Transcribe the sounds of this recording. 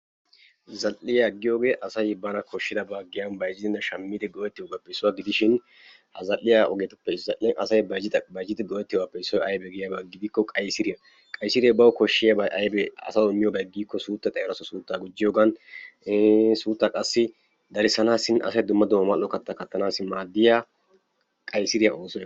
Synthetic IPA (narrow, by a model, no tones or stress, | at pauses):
zɐlːɪjɐɡːɪjo̞ːɡe̞ːʔɐsɐjbɐnɐkʰɔʃːɪd̪ɐbaːɡɪjɐnbɐjd͡ʒɪd̪ɪnːɐʃɐmːid̪ɪɡɔʔɛt̪ːɪjɔːɡapːɛɪsːʊwaɡɪd̪ɪʃɪn | ɐ̰zɐlːɪjaʔɔ̰ɡeːt̪ɐpːɛzɐʔʔɐsɐjbɐjd͡ʒɪbɐjd͡ʒɪd̪ɪɡɔwɛt̪ːɪjɡapːɛɪsːɔjɐjbɛɡɪjɐbɐɡɪd̪ɪkːɔkʼɐjsɪɾɪjɐ | kʼɐjsɪɾɪjɐbɐwkɔʃːɪjɐbɐʔɐjbɛɐ̰sɐwɪmːɪjɔbɐɡiːkːɔsuːt̪ːɐt̪ʼɐjɛɾɐsɔsuːt̪ːaːɡʊd͡ʒːɪjoːɡɐnː | suːt̪ːakʼɐsːɪ | d̪ɐɾɪsɐnaːsɪnʔɐ̰sɐjd̪ʊmːɐd̪ʊmːɐmɐlːɔkɐt̪ːakɐt̪ːɐnaːsɪmaːd̪ːɪjaː | kʼɐjsɪɾɪjɐʔoːsɔj